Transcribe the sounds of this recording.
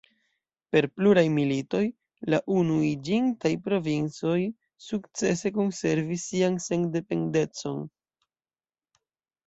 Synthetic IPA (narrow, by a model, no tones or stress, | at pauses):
pe̞ɾpluɾajmilito̞j | laʔunuid͡ʒiŋtajpɾo̞vint͡so̞j | sukt͡se̞se̞ko̞nse̞ɾvisːianseŋde̞pe̞nde̞t͡so̞n